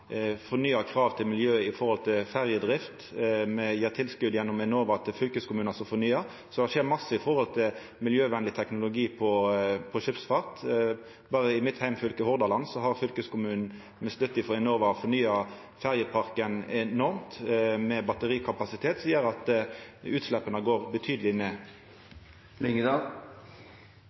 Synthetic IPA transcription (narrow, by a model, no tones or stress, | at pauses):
fɔʁnyːɑkʰɾɑːʋt̪ʰɪlmɪljøːɪfɔʁhɔlt̪ʰɪlfæʁjəd̪ʁɪft̪mɛjæːʁt̪ʰɪlskʉd̪jɛnːɔmɛnoːʋɑt̪ʰɪfʏlkəskʰʊmʉːnɑsɔfɔnyːɑ | sɔd̪ɛʃeːʁmɑsːəɪfɔʁhɔlt̪ʰɪl | mɪljøːʋɛnlɪt̪ʰɛknʊlʊɡiːpʰɔpʰɔʂɪpsfɑʁt̪ | bɑːʁəɪmɪt̪hæɪmfʏlkəhɔʁd̪ɑlɑnsɔɦɑʁfʏlkəskʊmʉːnn̩ | mɛslʉt̪ːɪfɔɛnoːʋɑɔfɔɾnyːɑ | fæʁjəpʰɑʁkənɛnɔʁmt̪mɛbɑt̪əʁiːkʰɑpɑsɪt̪ʰeːt̪siːəɾɑt̪ʉːt̪slɛpːənəɡoːʁbət̪ʰyːd̪əlɪneː | lɪŋd̪ɑ